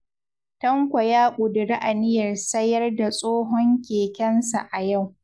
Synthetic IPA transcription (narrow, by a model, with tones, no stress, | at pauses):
tɐ˦ŋkʷɔ˨jaː˦kʷʊ˨dʊ˨ɾa˦ʔa˨nɪ˦jɐ˨rsɐ˦jɐ˦rda˨sʼoː˦ɦɔ˦ŋkʲeː˨kʲɐ˦nsa̰˨ʔa˨ja˦˨w